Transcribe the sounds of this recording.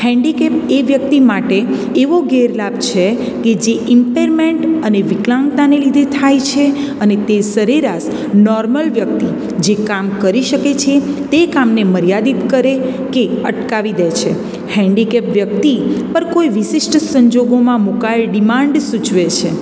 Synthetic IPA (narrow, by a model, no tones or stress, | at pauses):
hɛ̃ɳɖikepeʋjəkt̪imaʈeː | ʋoɡeɾlabt͡ʃʰe | ked͡ʒeʔɪmpeɾmeɳʈəneʋiklãŋɡt̪anelid̪ʱet̪ʰajt͡ʃʰe | ənet̪esəɾiɾas | nɔɾməlʋjək̚t̪i | d͡ʒekamkəɾiʃəket͡ʃʰet̪ekamneməɾjad̪it̪kəɾekeəʈkaʋid̪et͡ʃʰe | hɛ̃ɳɖikepʋjək̚t̪ipəɾkoiʋɪʃɪsʈsəɲd͡ʒoɡomãmukaelɖimãɳɖsut͡ʃʋet͡ʃʰe